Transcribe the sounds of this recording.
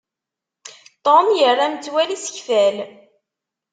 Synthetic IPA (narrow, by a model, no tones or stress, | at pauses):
t̪ˤɔnjərˤːamət͡sːwælisə̥çfæl